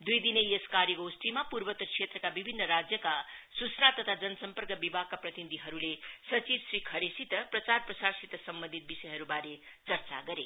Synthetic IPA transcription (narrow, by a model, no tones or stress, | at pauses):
d̪ujd̪inejeskaɾjʌɡosʈimapurbʌt̪ʌkʰsʰet̪rʌkabibʱinːʌɾad͡zjʌkasut͡snat̪ʌt̪ʰad͡zʌnʌsʌmpʌrkʌbibʱaɡ̚kaprʌt̪inid̪ʱiɦʌɾulesʌt͡sibsrikʰʌɾesit̪ʌprʌt͡sarprʌsarsit̪ʌsʌmbʌnd̪ʱit̪̚bisʌjɦʌɾubaɾet͡sʌrt͡sa̰ɡʌɾe